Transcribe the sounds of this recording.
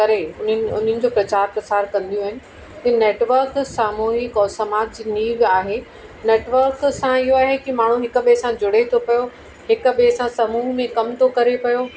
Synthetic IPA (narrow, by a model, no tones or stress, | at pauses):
kɐɾeʊnʊ̰n̤ənɪ̆d͡ʑoːpɾɐt͡ɕaːɾpɾɐsaːɾkɐ̃nd̪ijũːɦɪnɪ̆ | t̪ɐ̃neːʈʋəɾksaːmuːɦɪkɔːsɐmaːd͡ʑd͡ʑiːniːɡaːɦe | neːʈʋəɾksãɪɦoaːɦekimaːɳ̤ũɦɪkʊɓesãd͡ʑʊɽ̤et̪ʰopɐjo | hɪkɓesãsɐmuːɦmẽkɐmt̪ʰokɐɾepɐjo